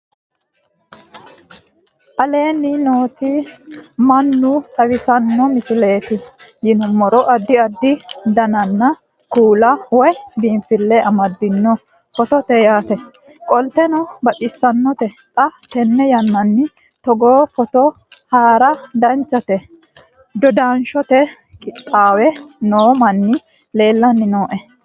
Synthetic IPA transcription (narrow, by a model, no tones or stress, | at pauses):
ʔɐle̞ːnːɪnoːt̪i | mɐnːʊt̪ʼɐwɪsɐnːɔmɪsɪle̞ːt̪ɪjɪnʊmɔɾɔʔɐd̪ːɪɐd̪ːɪd̪ɐnɐnːɐ | kuːlɐwɔjb̪iːmfɪlːɛɐmɐd̪ːɪnːɔ | fɔt̪ɔt̪ɛjaːt̪ɛ | kʼɔlt̪ɛnɔbɐɗɪsːɐnːɔt̪ɛt̪ʼɐt̪ɛnːɛjɐnːɐnːɪ | t̪ɔɡoːfɔt̪ɔ | haːɾɐd̪ɐnt͡ʃːɐt̪ɛ | d̪ɔd̪aːnʃɔt̪ɛ | kʼɪt̪ʼːaːwɛnoːmɐnːɪ | le̞ːlːɐnːɪnoːʔɛ